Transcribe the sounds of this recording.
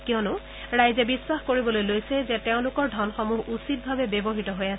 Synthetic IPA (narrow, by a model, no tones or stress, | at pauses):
kiɔnʊ | ɹajzɛbiswaxkoɹibɔlojlojsɛzɛteʊ̃lʊkɔɹdʱɔnxɔmuɦusit̚bʱabɛbebɔɦitɔɦojasɛ